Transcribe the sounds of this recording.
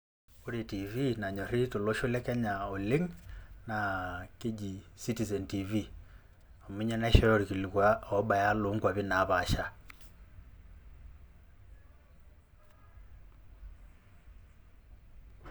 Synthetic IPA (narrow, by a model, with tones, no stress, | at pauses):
o˦ɾe˨ti˨vina˨ɲɔ˨ɾi˦to˨lo˦ʃo˦lɛ˦kɛ˦ɲa˨o˨le˦ŋnake˦d͡ʒi˨si˦ti˨zɛ˨ntivi | ɔ˨mu˦ɲɛ˦na˦iʃɔ˦jɔ˦ɾi˨ki˨li˨kwa˦ɔ˦ba˨ja˦lo˨ŋɡwa˨βi˦na˨βa˨ʃa˦